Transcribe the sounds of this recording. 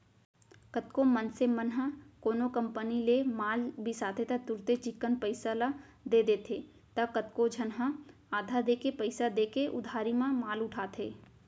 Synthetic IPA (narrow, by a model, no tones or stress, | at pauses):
kət̪komənsemənɦə̃koːnokə̃mpənilemaːlbʱisaːt̪ʰet̪ɐt̪ʊɾt̪et͡ʃɪkːənpəɪsala | d̪eːd̪eːt̪ʰe | t̪ɐkət̪kod͡ʒʱənɦə̃ | aːd̪ʱad̪eːkepəɪsad̪eːkeʔʊ̰d̪ʱaːɾimãmaːlʊʈʰaːt̪ʰeː